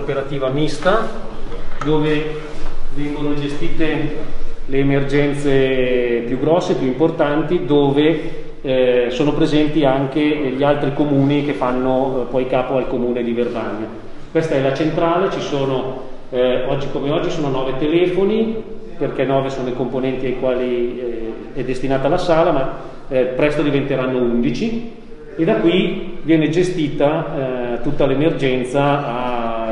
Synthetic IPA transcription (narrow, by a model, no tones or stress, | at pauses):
opeɾat̪iːvamist̪a | d̪oːve | vɛŋɡonod͡ʒest̪iːt̪e | leːmerd͡ʒɛnt̪sepjuɡɾɔsːepjuimport̪ant̪id̪oːve | soːnopɾezɛnt̪iaŋkeʎialt̪ɾikomuːnik̟efanːopɔjkaːpoalkomuːned̪ivervaɲa | kwɛst̪aɛlat͡ʃent̪ɾaːlet͡ʃisoːno | ɔd͡ʒːikomeɔd͡ʒːisoːnonɔːvet̪elɛːfoni | perkɛnɔːvesoːnoikomponɛnt̪iajkwaːli | ɛd̪ːest̪inaːt̪aːlːasaːlama | pɾɛst̪od̪ivent̪eɾanːound̪it͡ʃi | ed̪akːwivjɛːned͡ʒest̪iːt̪at̪ut̪ːalemerd͡ʒɛnt̪saː